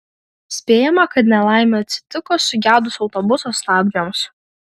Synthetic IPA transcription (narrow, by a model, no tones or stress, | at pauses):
sʲpʲeːjɛmɐkɐt̪nʲɛlˠɑˑɪmʲeːɐt̪ʲsʲɪ̥t̪ʲɪkoːsʊɡʲæːd̪ʊsɒʊt̪ɔːbʊsoslɑːɡʲdʲoːms